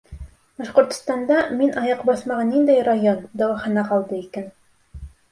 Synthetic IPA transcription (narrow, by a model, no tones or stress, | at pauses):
bɑʃqŏɾt̪ŏ̥st̪ɑnd̪ɑminʔɑjɑqbɑsmɑʁɑnːind̪æjrajond̪æwɑχɑnɑqɑlˠd̪ɤikæn